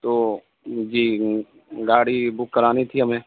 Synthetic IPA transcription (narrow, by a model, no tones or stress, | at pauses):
t̪oː | d͡ʒiː | ɡaːɽibʊkːɐɾaːnit̪ʰiɦɐmẽː